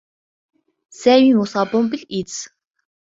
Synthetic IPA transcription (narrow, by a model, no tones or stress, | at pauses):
sæːwʲiːŋʊsapʊmpɘ̆ɮit͡ssŋ